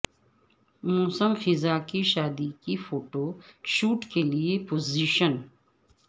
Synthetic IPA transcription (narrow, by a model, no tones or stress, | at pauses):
muːsəmxɪzaːkiʃaːd̪ikifoːʈoʃuːʈkeliepoːziːʃən